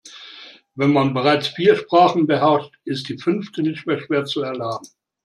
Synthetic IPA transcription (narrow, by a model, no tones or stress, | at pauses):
vɛnmanbəʁaɪt͡sfiːɐʃpʁ̥aːχn̩bəɦɛɐʃtʔɪst̚d̥iːfʏnftənɪçtmeːɐʃv̥eːɐt͡suɛɐlaːbm̩